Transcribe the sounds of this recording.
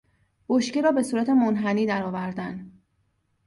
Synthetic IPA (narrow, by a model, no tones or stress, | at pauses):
b̥oʃciɾɒːbe̞suːɾæt̪ʰe̞monɦæniːd̪æɾɒːvæɾd̪æn